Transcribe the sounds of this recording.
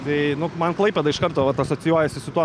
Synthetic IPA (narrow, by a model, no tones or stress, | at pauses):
t̪ɛɪnʊmɐnklˠɐɪpʲɛd̪ɐɪʃkɐrt̪oːʋɐt̪ɐsoːt͡s̪ʲɪjuɔjɛsʲɪsʊt̪uɔ